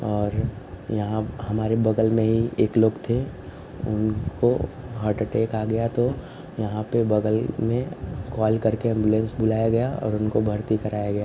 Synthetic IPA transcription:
ɔːɾ | jɐɦãɦɐmaːɾebɐɡəlmẽɦieːkloːɡt̪ʰe | ʊ̰nkʰoɦɐɾʈʈeːkaːɡɐjat̪o | jɐɦãpebɐɡəlmẽkɔːlkɐɾkeɛ̃mbjulẽnsbʊlaːjaɡɐjaɔ̰ːɾʊnkobʱɐɾt̪ikɐɾaːjaɡɐjaː

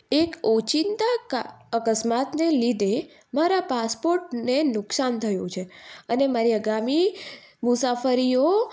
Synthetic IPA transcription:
ekot͡ʃint̪aəkəsmat̪nelid̪e | maɾapaspoɾʈnenʊksant̪ʰəjũt͡ʃʰeənemaɾiəɡami | mʊsafəɾio

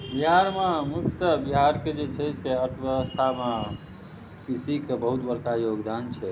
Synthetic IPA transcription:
biɦaɾmemukt̪əbiɦaɾked͡ʒet͡ʃʰəseəɾt̪ʰəbjeɛwəst̪ʰamã | kisikebəɦut̪bəɾkajoɡd̪ant͡ʃʰɛ

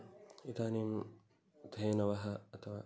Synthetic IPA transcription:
it̪aːnim | t̪ʰeːnɐʋɐɦɐːɐt̪ɐʋa

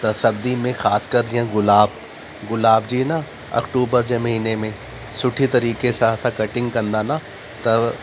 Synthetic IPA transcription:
t̪ɐsɐɾd̪imẽxaːskəɾd͡ʒɛ̃ɣʊlaːb | ɣʊlaːbd͡ʒiːna | ɐ̰kʈuːbəɾd͡ʒemɐɦiːnemẽ | sʊʈʰit̪ɐɾiːkesaːt̪ʰkɐʈɪ̃ŋɡkɐ̃nd̪ana | t̪ɐ

